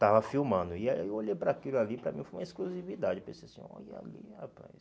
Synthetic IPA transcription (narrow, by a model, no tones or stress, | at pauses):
t̪avɐfiwmɐ̃d̪ʊiawoʎejpɾakilʊalipɾɐ̰mĩfojũmɐeskluzivid̪ad͡ʒɪpẽsejsĩɔ̰ia̰lḭapɾa̰s